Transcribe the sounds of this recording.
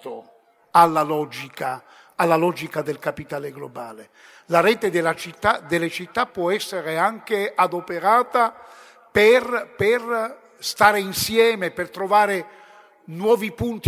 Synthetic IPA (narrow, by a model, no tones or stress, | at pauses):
t̪o | alːalɔd͡ʒikaː | lːalɔd͡ʒikad̪elkapit̪aːleɡlobaːle | laɾɛːt̪ed̪elat͡ʃit̪ːad̪elːet͡ʃit̪ːapːwɔɛsːeɾeaŋk̟eʔad̪opeɾaːt̪a | perper | st̪aːɾeinsjɛːmepert̪ɾovaːɾe | nwɔːvipunt̪